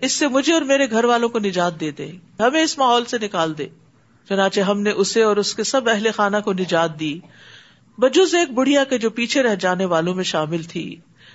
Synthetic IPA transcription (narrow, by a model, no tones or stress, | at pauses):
ɪsːemʊd͡ʒʱeɔːɾmeːɾeɡʱɐɾʋaːlõkonɪd͡ʒaːt̪̚d̪eːd̪ḛ̃ːɦɐmẽɪsmaːɦɔːlsenɪkaːld̪eː | t͡ʃʊnãːt͡ʃeɦɐmneʔʊseɔːɾʊskesɐbɛɦlexaːnakonɪd͡ʒaːt̪̚d̪iː | bɐd͡ʒʊzeːk̚bʊɽ̤ijaked͡ʒoːpiːt͡ʃʰeɾɛɦd͡ʒaːneʋaːlõmẽʃaːmɪlt̪ʰḭː